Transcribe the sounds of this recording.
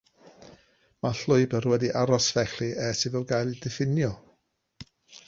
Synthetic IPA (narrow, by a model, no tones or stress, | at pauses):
maɬʊɨbərwɛdiʔaɾɔsvɛɬiʔɛsɪvɪlˠɡajlˠidɪfɪnjɔ